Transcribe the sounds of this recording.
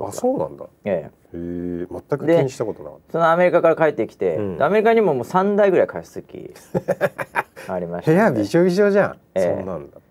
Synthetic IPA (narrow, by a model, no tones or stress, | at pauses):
asoːnã̰nd̪a | eː | emat̪ːakɯ̟d̪̟eiɲiɕi̥t̪akoona̰k̪ːso̞no̞ame̞ɾʲikakaɾakaet̪ːe̞ikʲi̥t̪ẽ̞d̪eame̞ɾʲikaɲ̟imo̞moːsãnd̪aiɡɯ̟ɾaikʰai̥sɨkʲḭ | aɾʲimaɕheabiʑoːiʑoːʑa | ḛːnãnd̪a